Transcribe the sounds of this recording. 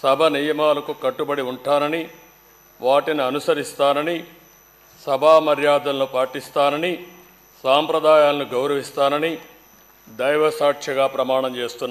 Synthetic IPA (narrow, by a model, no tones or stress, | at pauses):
sɐbʱɐnijɐmaːlɐkukɐʈːubɐɽiuɳʈaːnɐni | ʋaːʈiniɐnusɐɾist̪aːnɐni | sɐbʱaːmɐɾjaːd̪ɐnlupaːʈist̪aːnɐni | saːmpɾɐd̪aːjaːlɐnuɡɐwɾɐʋist̪aːnɐni | d̪ɐjʋɐsaːʈʂɐɡaːpɾɐmaːɳɐmt͡ʃe̞ːst̪unːa